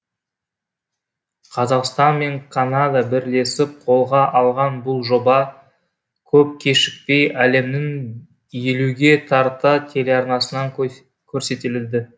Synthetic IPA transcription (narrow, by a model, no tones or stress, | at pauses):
qʰɑzɑqst̪ɑnme̞ŋkʰanɑd̪ɑbɪɾle̞sɪp̚qʰo̞lˠʁɑʔɑlˠʁɑnbʊlˠʒo̞bɑ | kʲʰɵp̚kʲʰe̞ʃɪk̚pe̞jæle̞mnɪŋ | je̞luɡʲe̞t̪ʰɑɾt̪ɑt̪ʰe̞le̞ɑɾnɑsənɑŋ | kʲʰɵɾse̞t̪elɪld̪ɪ